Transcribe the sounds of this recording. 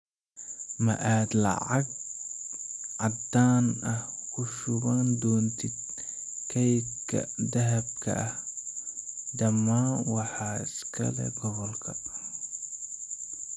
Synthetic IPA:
mɐ̰ʔaːd̪lɐ̰ʕɑɡ̚ | ʕɑd̪aːnɐhkʰʊʃʊβaːnd̪ɔːnt̪ʰid̪̚ | kʰɐjbkʰɐ̰d̪ɐɦɐb̚kʰɐ̰ʔɐh | d̪ɐmːaːnwɑħɑːɪskʰɐ̰lɛ̰ɡɔβɔlkʰɐ

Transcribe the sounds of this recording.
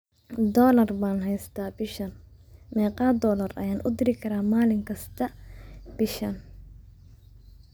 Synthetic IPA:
d̪ɔːlɐrbaːnɦɛjst̪ʰaːbɪʃɐnmɛːqɑːd̪ɔːlɐrɐ̰jaːnʔʊ̰d̪ɪɾɪkʰɐɾaːmaːlɪŋkʰɐst̪ʰɐb̥ɪʃɐn

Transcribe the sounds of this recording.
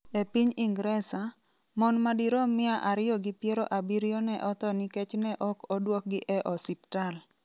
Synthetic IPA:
epiɲiŋɡɾɛsa | mɔnmadiɾɔmɪaʔaɾɪjɔɡɪpjeɾoʔabiɾjɔnɛʔɔt̪ɔniket͡ʃnɛʔɔkɔdwɔk̚ɡɪʔɛʔɔsiptal

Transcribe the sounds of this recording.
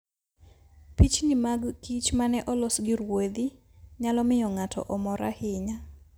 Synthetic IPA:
pit͡ʃnɪmaɡkit͡ʃmanɛʔɔlɔsɡɪɾwod̪i | ɲalɔmɪjɔŋatʰɔ̰ʔɔmɔɾa̰hɪɲa

